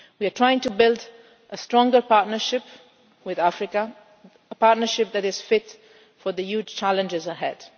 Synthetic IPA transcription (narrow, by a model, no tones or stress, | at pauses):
wiətʰɹ̥aɪɪ̃ŋtubɪlˠd | ʔəstɹɔ̃ŋɡə˞paɹtnə˞ʃɪp | wɪðafɹɪkə | əpaɹtnə˞ʃɪp̚ðæɾɪz̥fɪt | fə˞ðəjud͡ʒt͡ʃʰælə̃nd͡ʒɪzəɦɛd̥